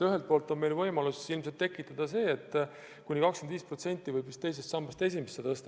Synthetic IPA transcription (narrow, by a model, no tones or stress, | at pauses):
yɦelt̪̚po̞ːlt̪ˑo̞nme̞jlvɤjmɑlusilmse̞lt̪ːe̞kːˑit̪ːˑɑd̪̥ɑse̞ːet̪ːˑ | kunʲikɑkskemnd̪viːspro̞t̪se̞nʲt̪ˑːivɤjbist̪e̞js̬e̞st̪sɑmbɑst̪e̞s̬ʲimestːet̪ɤst̪ɑ